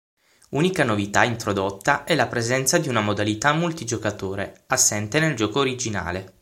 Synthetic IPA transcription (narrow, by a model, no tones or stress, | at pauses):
uːnikanovit̪aint̪ɾod̪ot̪ːaʔɛlapɾezɛnt̪sad̪iunamod̪alit̪amːult̪id͡ʒokat̪oːɾḛasːɛnt̪eneld͡ʒɔːkoːɾid͡ʒina̰ːle